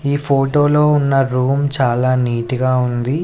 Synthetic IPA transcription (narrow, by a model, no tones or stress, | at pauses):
iːpʰoːʈoːloːunːɐɾuːmt͡ʃaːlaːniːʈiɡaːund̪i